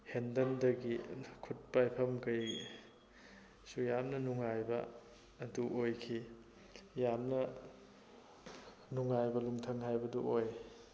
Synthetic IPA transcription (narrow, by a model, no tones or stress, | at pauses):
hendɐndɐɡikʰut̚pajpʰɐmkɐj | sujamnɐnuŋajbɐ̰ː | duʔojkʰi | jamnɐ | nuŋajbɐlumtʰɐŋhajbɐdṵʔoj